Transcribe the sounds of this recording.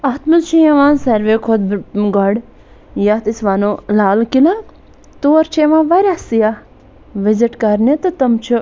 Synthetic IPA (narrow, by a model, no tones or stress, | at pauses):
ɐt̪mɐnt͡ʃʰijɐʋãːnsɐɾʋeːkʰod̪̚ɡɐɽ | jat̪isʋanoːlaːlkila | t̪oːɐɾt͡ʃʰeʋãːʋɐɾʲasija | ʋiziʈkɐɾnet̪ɨt̪ɐmt͡ʃʰu